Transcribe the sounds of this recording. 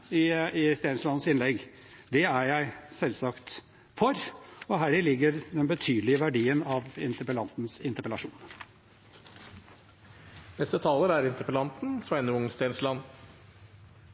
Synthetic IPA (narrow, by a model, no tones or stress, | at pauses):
ɪɪst̪eːnslɑnsɪnlɛɡː | d̪ɛæɾjæɪsɛlsɑkt̪ | fɔɾɔɦæːɾɪlɪɡːəɾd̪ɛnbət̪ʰyːd̪lɪəʋæɖiːənɑʋɪ̰nt̪əpəlɑnt̪nsɪnt̪əɾpəlɑʂṵːn | nɛst̪ət̪ʰɑːləɾæɾɪnt̪əpəlɑnt̪n̩sʋæɪnəʊŋst̪eːnʂlɑnː